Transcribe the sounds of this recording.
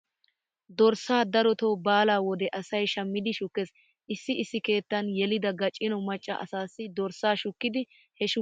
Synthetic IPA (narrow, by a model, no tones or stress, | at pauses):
d̪ɔɾsaːd̪ɐɾɔt̪ɔwbaːlaːwɔd̪ɛʔɐsɐjʃɐmːɪd̪ɪʃʊkːes | ʔɪsːɪɪsːɪke̞ːt̪ːɐnjɛlɪd̪ɐɡɐt͡ʃʼːɪnɔmɐt͡ʃʼːɐ̰ʔɐ̰saːsːɪd̪ɔɾsaːʃʊkːɪd̪ɪ | hɛʃʊ